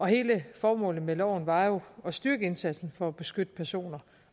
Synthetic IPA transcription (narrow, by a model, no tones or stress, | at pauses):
ɒ̽he̝ːləfɒːmɔ̰̽ːlð̩ˠmelɒʊ̰n̩ʋɑ̈jo̝ɒ̽sd̥yɐɡ̥əe̝nsæd̥sn̩fɒ̽ːb̥e̝sɡ̥ød̥əpʰæɐso̝̰ːnɐ